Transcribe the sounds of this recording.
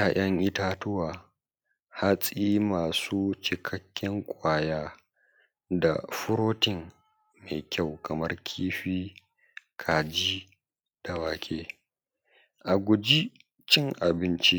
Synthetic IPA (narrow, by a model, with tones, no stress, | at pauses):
a˨jʔɐ˦ŋʔɪ˦taː˦tʊ˦waː˨ | ha˦sʼiː˦maː˨suː˦t͡ʃɪ˨kʰɐ˦kʲːɪ˦ŋkʷʼaː˦˨jaː˦ | da̰˨ɸʊ˦ɾoː˦tɪ˨ŋ | me˨kʲʰa˦˨wkʰɐ˨mɐ˦rkʲʰiː˦ɸiː˦ | kʰaː˨d͡ʒi˦ | d̥a˨waː˨kʲʰʼeː˦ | ʔa˨ɡʷʊ˨d͡ʒi˦ | t͡ʃɪ˦ŋʔa˨bɪ˦nt͡ʃi˦